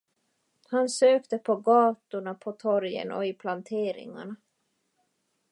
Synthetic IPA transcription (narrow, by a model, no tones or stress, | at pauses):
hansøːkt̪əpʰɔɡɑːt̪ʊɳapʰɔt̪ʰɔɾjə̰nɔ̰ɪpʰlant̪ʰeːɾɪ̰ŋa̰ɳa